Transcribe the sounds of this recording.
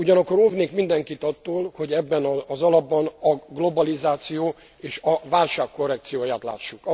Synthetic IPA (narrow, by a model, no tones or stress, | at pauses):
uɟɒnɒkːo̞ɾovneːkmind̪ɛŋkit̪ɒt̪ːoːlho̞ɟɛbːɛnɒːzɒlɒbːɒnɒɡlo̞bɒlizaːt̪sijoː | eːʃɒvaːlʃaːkːo̞rːɛk̚t̪sijoːjaːt̪la̰ːʃːuk